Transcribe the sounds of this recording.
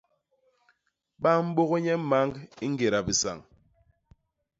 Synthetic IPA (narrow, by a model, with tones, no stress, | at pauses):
ɓa˦m̩˦ɓo˦ɣo˦ɲɛ˦ma˦ŋɡi˦ŋ̩˦ɡe˨ɾa˨bi˨sa̰˨ŋ